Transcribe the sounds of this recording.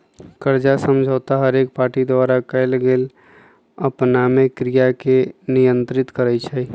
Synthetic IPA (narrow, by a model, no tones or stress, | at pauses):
kəɾd͡ʒasəmd͡ʒʱəːt̪aɦəɾek̚paːɾʈid̪ʋaːɾakəɪlɡeːl | əpnamekɾijakenijə̃nt̪ɾɪt̪kəɾɛt͡ʃʰɛ